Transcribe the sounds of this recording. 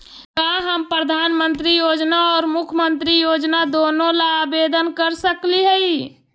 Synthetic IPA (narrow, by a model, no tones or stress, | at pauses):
kaɦəmpɾəd̪ʱaːnmənt̪ɾijod͡ʒnaɔːɾmukʰmənt̪ɾijod͡ʒnad̪onõlaːbed̪ənkəɾsəkliɦəi